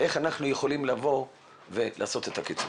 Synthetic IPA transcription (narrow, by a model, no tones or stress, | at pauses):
ʔe̞χanaχnuje̞χo̞limlavo̞ | ve̞lʔa̰ːso̞t̪e̞t̪akit͡sṵ